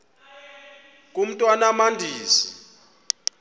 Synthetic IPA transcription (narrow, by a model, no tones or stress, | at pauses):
k̬ʼum̩tʼwanamandʱiːsi